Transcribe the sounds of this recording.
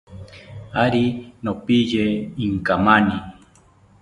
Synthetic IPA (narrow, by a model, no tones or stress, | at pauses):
aɾinopijeiŋkamani